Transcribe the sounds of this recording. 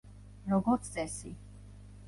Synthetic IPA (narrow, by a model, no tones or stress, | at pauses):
ɾɔɡɔɾt̪sʰsʼɛsi